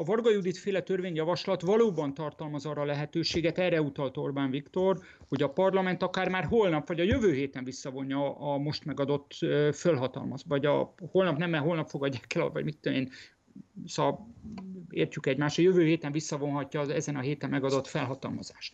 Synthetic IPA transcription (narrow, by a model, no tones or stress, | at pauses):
ɒvɒrɡɒjud̪it̪feːlɛt̪ørveːɲjɒvɒʃlɒt̪vɒloːbɒnt̪ɒrt̪ɒlmɒzɒːɾɒlɛɦɛt̪øːʃeːɡɛt̪ɛrːɛut̪ɒlt̪o̞rbaɱvikt̪o̞r | ho̞ɟɒpɒrlɒmɛnt̪ɒkaːrmaːrɦo̞lnɒpvɒɟɒjøvøːɦeːt̪ɛɱvisːɒvo̞ɲːɒːmo̞ʃt̪mɛɡɒd̪o̞t̪ːøfølɦɒt̪ɒ̰lmɒzvɒɟɒ̰ho̞lnɒpnɛmːɛɦo̞lnɒpfoɡɒɟːaːkɛlɒ̰vɒ̰ɟmit̪ːøeːn | sɒ | ḛːrcykɛɟmaːʃt̪ɒjøvøːɦeːt̪ɛɱvisːɒvo̞nɦɒcːɒːɛzɛnɒɦeːt̪ɛmːɛɡɒd̪o̞t̪fɛlɦɒt̪ɒ̰lmɒ̰za̰ːʃt̪